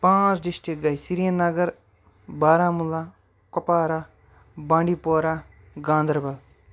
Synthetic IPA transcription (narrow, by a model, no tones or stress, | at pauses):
pãːt͡ʃɖɪsʈɾik̚ɡɐjsiɾijənːɐɡəɾ | baːɾãːmulːaː | kɐpaːɾaː | bãːɳɖiːpoːɾaː | ɡãːnd̪əɾbɐl